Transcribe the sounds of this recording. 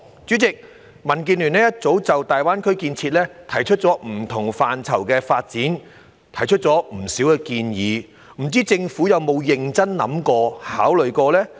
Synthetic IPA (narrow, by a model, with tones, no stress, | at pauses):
t͡syː˨˥t͡sɪ˨k̚ | mɐ˨˩nk̬iː˧nly˨˩nɛː˥jɐ˥t̚t͡so˨˥wt͡sɐ˨wt̪aː˨jwaː˥nkʰɵ˥ɥkiː˧nt͡sʰi˧t̚lɛː˥t̪ʰɐ˨˩jt͡ʃʰɵ˥t̚t͡sɔː˨˥m̩˨˩t̪ʰʊ˨˩ŋfaː˨nt͡sʰɐ˨˩wkɛː˧faː˧t̚t͡siː˨˥n | t̪ʰɐ˨˩jt͡ʃʰɵ˥t̚t͡sɔː˨˥m̩˨˩siː˨˥wkɛː˧kiː˧njiː˨˧ | m̩˨˩t͡siː˥t͡sɪ˧ŋfuː˨˥jɐ˨˧wmo˨˧wjɪ˨ŋt͡sɐ˥nnɐ̰˨˥mkɔː˧ha̰ː˨˥wlɵ˨ɥkɔː˧lɛː˥